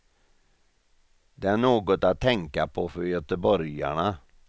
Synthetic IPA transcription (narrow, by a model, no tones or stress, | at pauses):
d̪ɛæɳoːɡɔt̪at̪ʰːɛŋkapʰɔfœɾjœt̪əbɔɾja̰ɳa